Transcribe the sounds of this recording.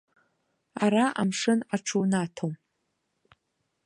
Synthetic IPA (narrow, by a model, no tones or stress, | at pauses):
aɾaʔa̰mʂɨnaʈ͡ʂʰuwnatʰom